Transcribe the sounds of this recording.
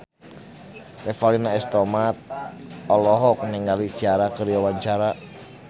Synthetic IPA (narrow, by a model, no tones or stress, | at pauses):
rɛfalinaɛst̪ɔmat̪̚ɔlɔɦɔk̚nɛŋalid̥d͡ʒ̥aɾakəɾjawaɲt͡ʃaɾa